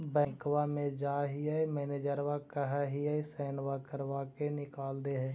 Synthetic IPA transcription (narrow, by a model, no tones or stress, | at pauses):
bɛ̃ːkwamẽd͡ʒaːɦiaemɛːneːd͡ʒəɾʋakəɦaɦiaesɛːnʋakəɾwakenɪkaːld̪eɦɛ̃ː